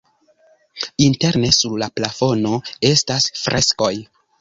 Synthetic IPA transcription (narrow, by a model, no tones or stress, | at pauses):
inte̞ɾne̞suɾlaplafo̞no̞e̞stasfɾʔe̞sko̞j